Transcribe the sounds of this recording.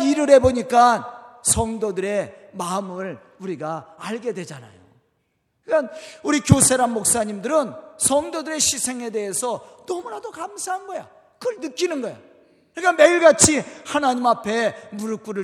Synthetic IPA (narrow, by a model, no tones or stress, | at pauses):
iɾɯɾe̞boɲik͈ansʰʌŋdodɯɾe̞maɯmɯɭ | uɾiɡaaɭɡe̞dwe̞d͡ʑana̰jo | kikanuɾikjosʰe̞ɾanmok̚s͈aɲimdɯɾɯnsʰʌŋdodɯɾe̞ɕʰisʰe̞ŋe̞de̞ɦesʰʌnʌmunadokamsʰaɦanɡʌja̰ | kɯnɯk͈inɯnɡʌja̰ | kɯɲik͈ame̞iɭɡat͡ɕʰihanaɲimapʰe̞muɾɯk͈uɾɯ